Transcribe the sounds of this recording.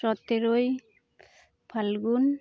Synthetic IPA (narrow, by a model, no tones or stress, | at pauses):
ɔt̪ːeɾoj | pʰalɡun